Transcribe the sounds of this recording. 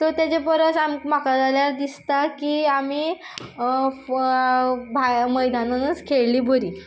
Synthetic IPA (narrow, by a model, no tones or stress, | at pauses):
t̪əɾt̪jat͡ɕepəɾət͡sammakad͡zaljaɾd̪ist̪akiːamiː | bʱaməjd̪anənət͡skʰeɭliːbʱəɾiː